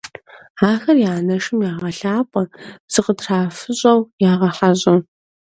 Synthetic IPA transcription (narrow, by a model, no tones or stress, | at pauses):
aːxɐrjaːnɐʂɪmjaːʁɐɬaːpʷʼɐ̥sɨqədraːfɨɕʼɐwjaːʁɐħaʑʼɐ